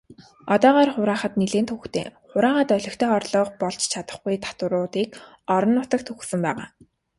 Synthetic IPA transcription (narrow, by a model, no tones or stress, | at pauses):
ɔt̪ɔːʁaːrχʊɾaːχə̆t̪̚niɮeːnt̪ʰuxt̪ḛːχʊɾaːχə̆t̪œɮʲɞ̆xt̪ʰeːɔrɮɞːqpɔɮt͡ɕt͡ɕʰat̪ə̥̆χɡujt̪ʰḁt̪ʊɾʊːt̪iːk | ɔɾɞ̆nːʊt̪ə̆k̚t̪ʰuxsə̆mpæːʁa̰ː